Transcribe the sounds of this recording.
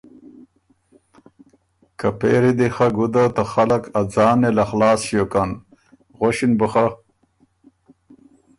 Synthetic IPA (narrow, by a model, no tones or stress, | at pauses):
kɐpḛːɾid̪ixaɡud̪at̪axɐlɐkɐd͡zaːnelɐxlaːsɕjokan | ʁoɕinbəxa